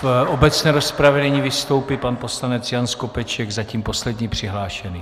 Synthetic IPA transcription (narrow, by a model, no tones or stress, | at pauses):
obɛt͡snɛːɾospɾavɛnɛɲiːvɪst̪o̞wpipanpo̞slanɛt͡sjanskopɛt͡ʃɛɡzaciːmpo̞slɛd̪ɲiːpr̝̥ɪɦlaːʃɛniː